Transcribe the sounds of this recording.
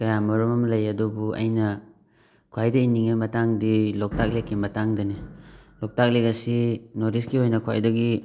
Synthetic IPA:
kɐjamɐɾɔmɐmlɐjɐdubuɐ̰jnɐ | kʰwajdɐiniŋemɐtaŋdilɔk̚tʰak̚lekːimɐtaŋdɐnilɔk̚tʰak̚lekasinoɾiskiojnɐkʰwa̰jdɐɡi

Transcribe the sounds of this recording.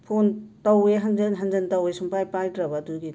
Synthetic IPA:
pʰontɐweɦɐnd͡ʒenɦɐnd͡ʒɐntɐwesumpajpajdɾɐbɐduɡi

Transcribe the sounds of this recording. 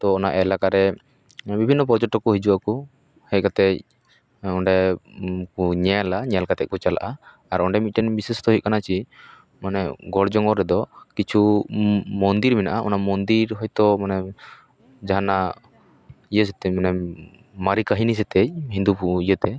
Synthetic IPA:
t̪ɔːnaʔɛlakaɾɛ | bibʱinːɔp̬ɔɾd͡ʒɔʈːɔkɔɦid͡ʒuwaku | hɛc̚kat̪ɛc̚ | ɔɳɖɛ | kɔɲɛalaɲɛjalkat̪ɛc̚kɔt͡ʃala̰ʔa | aɾɔɳɖɛmit̪̚ʈɛnbisɛst̪ɔɦit̪̚kanat͡ʃi | manɛɡɔɽd͡ʒɔŋɡɔɾɛd̪ɔkit͡ʃʰu | mɔnd̪iɾminaʔaʔɔnamɔnd̪iɾɦɔjt̪ɔmanɛ | d͡ʒaɦana | ijəsɛt̪ɛmanɛ | maɾikaɦinis̬ɛt̪ɛc̚ɦind̪upuʔijət̪ɛ

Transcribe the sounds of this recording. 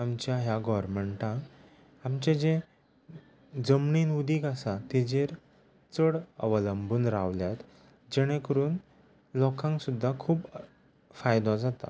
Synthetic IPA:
amt͡ɕjaɦjaɡɔɾmeɳʈã | amt͡ɕẽd͡ʑe | d͡zəmɳinud̪iːkasat̪id͡ʑeɾ | t͡səɽə̰ʋələmbuːnɾaʋljat̪ | d͡ʑɛɽ̃ẽkəɾuːn | lɔkʰãŋksud̪ʱːakʰuːp | fajd̪ɔd͡zat̪a̰

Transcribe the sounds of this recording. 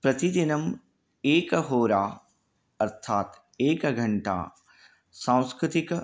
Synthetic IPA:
pɾɐt̪id̪inɐm | eːkɦoːɾaː | ɐɾt̪ʰaːt̪ | eːkɡʱɐ̃ɳʈa̰ː | sãːw̃skɾɪt̪ɪk

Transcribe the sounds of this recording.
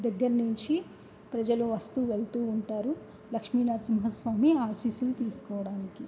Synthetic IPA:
d̪ɐɡːɐɾɐnuɲt͡ʃi | pɾɐd͡ʒɐluʋɐst̪uʋeɭt̪uːɳʈaːɾu | lɐkʂmiːnaːɾsimɦɐsʋaːmiaːsiːsulut̪iːsu̥kɔːʋɐɽaːniki

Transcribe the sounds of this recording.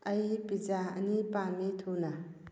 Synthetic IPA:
əjpid͡ʒaə̰nipamit̪ʰuna

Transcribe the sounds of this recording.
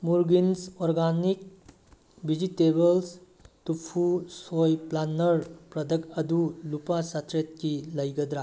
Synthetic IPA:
muɾɡinsɔɾɡanik̚ | bid͡ʒitebɐls | tupʰusojplanɐɾpɾɐd̪ʱɐkɐd̪ulupasat̪ɾet̪̚kilɐjɡɐd̪ɾa

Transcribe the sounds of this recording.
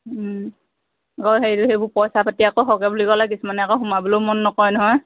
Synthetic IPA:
ɡɔɦejtuɦebʊpɔjsapatiakɔɦɔkɛbulikɔlak̬isumanɛakɔxumabulomɔnːɔkɔjnɔɦɔj

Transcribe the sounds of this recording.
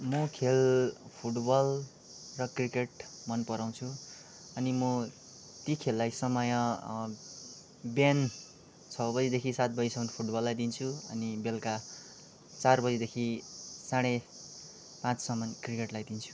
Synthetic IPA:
mʌkʰelpʰuʈbʌl | rʌkrikeʈmʌnpʌɾaw̃t͡sʰu | ʌnimʌ | t̪ikʰelːajsʌmʌjʌ̃ | bjan | t͡sʰʌbʌd͡zid̪ekʰisat̪̚bʌd͡zisʌnpʰuʈbʌlːajd̪int͡sʰuʌ̰nibelka | t͡sarbʌd͡zid̪ekʰisaɽ̃e | pãt͡ssʌmʌnkrikeʈlajd̪int͡sʰu̥

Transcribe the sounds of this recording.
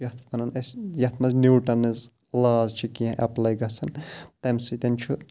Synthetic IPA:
jɐt̪ʰpʰɐnɐnɐsjɐt̪ʰmɐzniwʈɐnɨz | laːzt͡ʃʰikiɐ̃ʔɐplɐjɡɐsɐnt̪ɐmsit̪ɐnt͡ʃʰu

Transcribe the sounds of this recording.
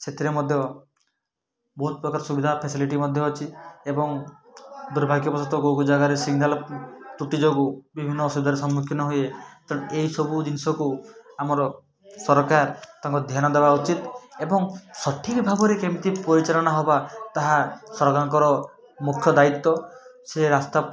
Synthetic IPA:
set̪ʰiɾemɔd̪ʱjɔ | bɔɦut̪̚pɾɔkaɾɔsubid̪ʱapʰesiliʈimɔd̪ʱjɔːt͡ʃʰiebɔŋ | d̪uɾbʱaɡjɔpɔsɔt̪ɔɡoɡud͡ʒaɡaɾesiɡnalt̪uʈid͡ʒoɡubibʱinːɔsuid̪ʱaɾesɔmːukʰjinɔɦujet̪ɔeɦisɔbud͡ʒinisɔkuamɔɾɔ | sɔɾkaɾt̪aŋkɔd̪ʱjanɔd̪ebaut͡ʃit̪ebɔŋsɔʈʰikbʱaɡɔɾekemit̪ipɔɾit͡ʃalɔnaɦɔbat̪aɦasɔɾɔɡaŋkɔɾɔ | mukʰjɔd̪ait̪ːɔseɾast̪a

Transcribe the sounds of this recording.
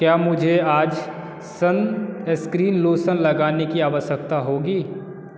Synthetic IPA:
kjaːmʊd͡ʒʱeaːd͡ʒ | səneskɾiːnloːsənlɐɡaːnekiaːʋəʃjəkt̪aɦoːɡiː

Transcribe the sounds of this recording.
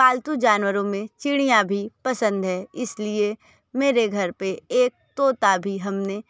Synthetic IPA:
aːlt̪ud͡ʒaːnwəɾõmẽt͡ʃɪɽ̃ijãbʱipɐsə̃nd̪ɦɛːɪslie | meːɾeɡʱɐɾpeeːk̚t̪oːt̪abʱiɦɐmne

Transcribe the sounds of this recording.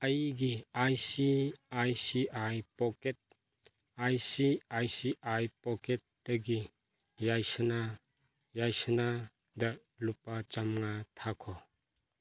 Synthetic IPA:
ajiɡiajsiajsiʔajpɔket̚ | ajsiajsiʔajpɔket̚d̪̥aɡi | jajsəna | jajsəna | da | lup̚at͡ʃamŋat̪ʰakʰɔ

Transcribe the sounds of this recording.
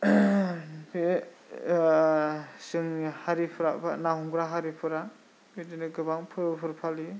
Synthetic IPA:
be | sɯŋhaɾipʰɯɾapʰa̰naɦuŋɡɾaɦaɾipʰɯɾa | bidinɯɡɯbaŋpʰɯɾpʰɯɾpʰali

